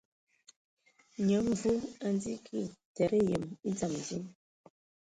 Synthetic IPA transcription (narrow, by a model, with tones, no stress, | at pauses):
ɲə˨˦ɱ˨vu˦a˨n˦di˦kʰi˦˨tɛ˨ɾe˦jə̰˨mi˦d͡za˦˨mdi˦m